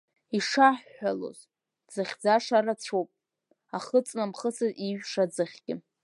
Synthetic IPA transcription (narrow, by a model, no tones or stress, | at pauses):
iʂaħːalo̰z | d͡zɨχʲd͡zaʂaɾat͡ɕʷʰowpʼ | aχət͡sʼnamχəsɨziʒᶣʂad͡zɨχʲɡ̥ʲɪ